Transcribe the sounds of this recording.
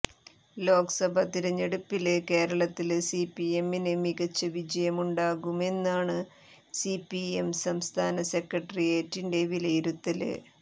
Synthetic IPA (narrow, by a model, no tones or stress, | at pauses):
lo̞ːkɐsɐbʱɐt̪iɾɐɲːeɽupːilke̞ːɾɐɭɐt̪ːilsipːiemːinemiɣɐt͡ɕːɐʋid͡ʑɐjɐmuɳɖaːɣume̞nːaːɳɨ | sipːiemsɐmst̪ʰaːnɐse̞krɐʈːɐrijeːtːinde̞ʋilɐjiɾut̪ːɐlɨ̰